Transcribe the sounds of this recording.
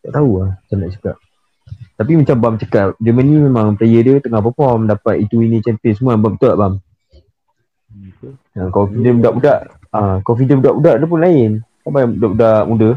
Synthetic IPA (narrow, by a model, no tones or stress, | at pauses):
d̪a̰ʔt̪auaht͡ʃanaʔt͡ʃəka̰ʔ̚ | t̪ap̬imat͡ʃambamt͡ʃəkaʔ̚d͡ʒəmənimemãŋpəlajədət̪əŋahpəfɔmdapat̪it̪uinĩt͡ʃɛmpɪsəmuabamt̪əʔbam | ankofidənudaʔudaʔ | akofidənudaʔbudaʔdəp̬ʊnlaɪnkabajaŋudaʔudaʔmudə